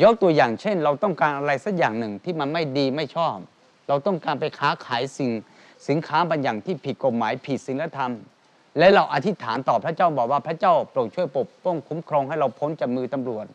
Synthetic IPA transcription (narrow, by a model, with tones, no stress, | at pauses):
jɔ˦˥t̪u˧ɐjaː˨˩ŋt͡ɕʰe˥˩nɾa˧wt̪ɔ˥˩ŋkaː˧nʔa˧ɾa˧jsa˦˥k̚jaː˨˩ŋnɯ˨˩ŋt̪ʰiː˥˩ma˧nma˥˩jdiː˧ma˥˩jt͡ɕʰɔː˥˩p̚ | ɾa˧wt̪ɔ˥˩ŋkaː˧npa˧jkʰaː˦˥kʰaː˩˦jsi˨˩ŋ | si˩˦nkʰaː˦˥baː˧njaː˨˩ŋt̪ʰiː˥˩pʰi˨˩t̪̚ko˨˩t̪̚maː˩˦jpʰi˨˩si˨˩˦nla˧˥t̪ʰa˧m | lɛ˦˥ɾa˧wʔa˧t̪ʰi˦˥t̪ʰaː˩˦nt̪ɔː˨˩pʰɾa˥t͡ɕaː˥˩wbɔː˨˩k̚waː˥˩pʰɾa˦˥t͡ɕaː˥˩wplo˨˩t̪̚t͡ɕʰu˥˩əjpo˨˩p̚pɔ˥˩ŋkʰu˨˦˥mkʰɾɔː˧ŋhɦa˥˩jɾa˧wpʰo˦˥nt͡ɕa˨˩mɯː˧t̪a˧mɾu˨˩ət̪̚